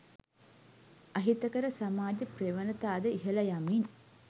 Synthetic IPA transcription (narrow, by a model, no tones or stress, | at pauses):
aɦit̪əkəɾəsamaːd͡ʒəpreʋənət̪aːd̪əiɦəlɐjamin